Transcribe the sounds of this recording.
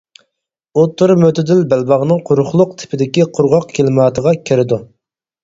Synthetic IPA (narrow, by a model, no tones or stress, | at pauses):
ot̪ʰːuɾmøt̪ʰɪd̪ɪlbælbɑʁnɨŋqʰʊɾʊχlˠʊq̚t̪ʰɪ̥pʰɪd̪ɪkʲiqʰʊɾʁɑq̚kʲʰelɪmɑːt̪ʰəʁɑkʲʰeɾɪd̪u